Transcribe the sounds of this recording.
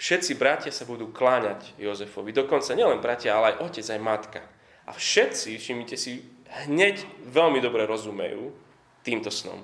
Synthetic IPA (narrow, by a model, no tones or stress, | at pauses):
fʃɛt̪t͡sibɾacɪasabud̪uːklaɲaɟjɔzɛfɔʋid̪ɔkɔnt͡saɲɛlɛnbɾacɪaalɛajʔɔcɛd͡zajmat̪ka | ʔa̰fʃɛt̪t͡siʃimicɛsi | ɦɲɛcʋɛlmid̪ɔbɾɛɾɔzumɛ̰jṵː | t̪iːmt̪ɔsnɔ̰m